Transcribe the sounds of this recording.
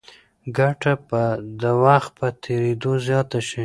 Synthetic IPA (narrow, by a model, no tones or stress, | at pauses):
ɡaʈapəd̪əwaxt̪̚pət̪ʰeɾed̪ozjɑt̪aʃi